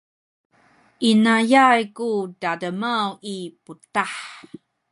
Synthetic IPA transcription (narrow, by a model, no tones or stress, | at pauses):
ʔinajajkudadəmawiputaħ